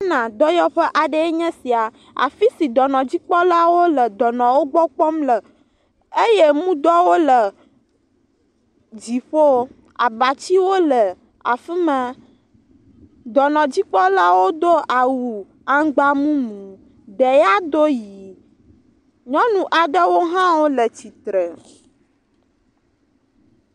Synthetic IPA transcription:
nã˨d̪ɔ˦jɔ˦ɸɛ˦ʔa˨ɖə˦e˦ɲɛ̃˦si˨a˨ | a̰˨fi˦si˨d̪ɔ˨nɔ̃˨d͡ʑi˦k͡pɔ˦la˦wo˦lə˨d̪ɔ˨nɔ̃˨wo˦ɡ͡bɔ˦k͡pɔ˦mlə˨ | e˦je˦mũ˦d̪ɔ˦wo˦lə˨ | d͡ʑi˨ɸo˦ | a˨ba˨t͡ɕi˦wo˦lə˨ | a̰˨fi˦mã˦ | d̪ɔ˨nɔ̃˨d͡ʑi˦k͡pɔ˦la˦wo˦d̪o˦a˨wu˨ | a˦ŋɡ͡ba˦mũ˦mũ˨ | ɖə˨ja˦d̪o˦ji˨ | ɲɔ̃˦nũ˨ʔa˨ɖə˦wo˦ɦã˦wo˦lə˨t͡ɕi˨t̪ɾə˨

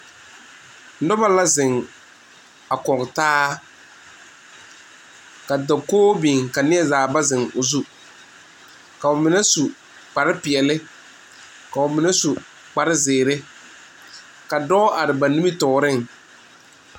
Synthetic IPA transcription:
nʊ˦ba˦la˦zɪ˨ŋ | a˨kɔ˨ŋ˨taː˦ | ka˨da˨koː˦bi˨ŋka˨nɪ˦ɛ˦zaː˨ba˦zɪ˨ŋʊ˨zu˦ | ka˨ʊ˨mɪ˨nɛ˦su˨ | k͡pa˨ɾɪ˦pɪ˨ɛ˨lɪ˦ | ka˨ʊ˨mɪ˨nɛ˦su˨ | k͡pa˨ɾɪ˦zɪː˨ɾɪ˦ | ka˨dɔ˦ʔa˨ɾɪ˨ba˨ni˦mi˦tɔː˨ɾɪ˦ŋ

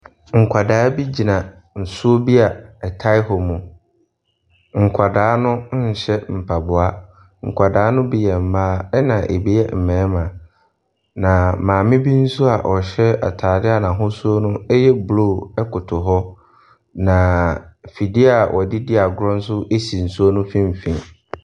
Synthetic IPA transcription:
ŋ̩˨kʷʰa˨daː˨˦bi˦d͡ʑi˨nã˨ | n̩˨sʊ˦o˦bi˦a˨ɛ˨tʰa˦ɪ˦hɔ˨mũ˨ | ŋ̩˨kʷʰa˨daː˨˦nʊ̃˦n̩˦ɲ̩˨ɕɛ˦m̩˨pʰa˨bʊ˨a˦ | ŋ̩˨kʷʰa˨daː˨˦nʊ̃˦bi˦jɛ˨m̩˨baː˦ɛ˦nã˨ʔe˨bi˦jɛ˦m̩˨mɛ̃ː˨˦mã˨ | nã˨mãː˨mɪ̃˦bi˦n̩˦su˦a˨ʔɔ˨ɕɛ˦a̰˨tʰaː˨dɪ˦a˨nã˨ɦʊ̃˦su˦o˦nʊ̃˦ɛ˦jɛ˦blo˦˨ɛ˦kʰʊ˨tʰʊ˨ɦɔ˦ | nã˨fi˨dɪ˦a˨ʔɔ˨dɪ˦dɪ˦a˨ɡʊ˦ɾɔ̃˦n̩˦s̬ʊ˦ʔe˦si˨n̩˨su˦o˦nʊ̃˦fĩ˦m̩˨fĩ˨ŋ

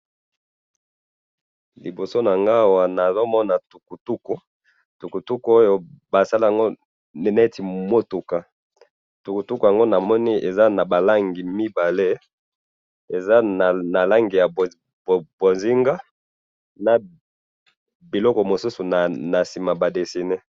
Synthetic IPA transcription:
li˨bo˨so˦na˨ŋɡa˦˨wa˨na˨zo˦mɔ˦na˨tu˨ku˨tu˦ku˨ | tu˨ku˨tu˦ku˦o˦jo˨ba˨sa˦la˦a˨ŋɡo˦ | n˨ne˦ti˨mo˦tu˨ka˦˨ | tu˨ku˨tu˦ku˨ja˨ŋɡo˦na˨mɔ˦ni˦ʔe˨za˦na˨ba˨la˦ŋɡi˨mi˦ba˨le˦ | e˨za˦n˨na˨la˦ŋɡi˨ja˨b | bo˨nzi˦ŋɡa˦ | na˨ | bi˨lɔ˦kɔ˨mo˨su˦su˨na˨na˨si˨ma˨ba˨de˨si˨ne˦

